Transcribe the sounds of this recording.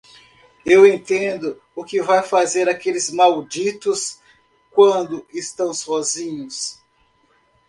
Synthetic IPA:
ewẽnt̪ẽnd̪ʊ | ʊkɪvajfazeɾakelɪzmawd͡ʒit̪ʊs | kwɐ̃nd̪ʊɪst̪ɐ̃w̃sɔzĩɲʊs

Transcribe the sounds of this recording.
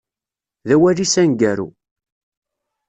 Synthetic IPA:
ðæwæɾisænɡæɾṵ

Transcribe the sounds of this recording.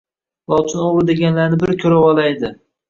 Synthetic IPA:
lˠɒt͡ʃ̪ʰɪnoʁɾɪd̪e̞ɡʲanlaɾnɪbɪɾkʲʰɵɾawɒlajd̪ɪ

